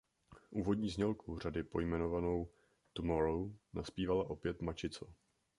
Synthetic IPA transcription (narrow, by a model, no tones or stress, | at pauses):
ʔuːvo̞dɲiːzɲɛlkʰur̝adɪpo̞jmɛno̞vanow | t̪umoɾonaspiːvalaʔo̞pjɛt̪mat͡ʃɪt͡so